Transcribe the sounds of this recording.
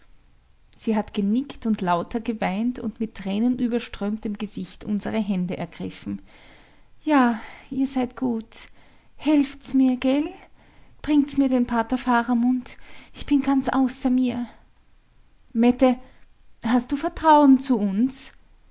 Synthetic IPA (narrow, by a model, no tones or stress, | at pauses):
z̥iːɦatɡ̥ənɪktʊntlaʊtʰɐɡəvaɪntʊ̰ntmɪtːʁ̥ɛːnənʔyːbɐʃtʁ̥øːmtəmɡəzɪçtʔʊ̰nzəʁəɦɛndəʔɛɐɡ̥ʁɪfm̩ | jaːʔiːɐzaɪtɡ̥uːt | hɛlftsmiːɐɡɛl | b̥ʁɪŋtsmiːɐdeːnpʰaɐtɐfaːʁɐmʊntʔɪçb̥ɪnɡant͡sʔaʊsɐmiːɐ | mɛtə | hast̚d̥uːfɛɐtʁ̥aʊənt͡suʊns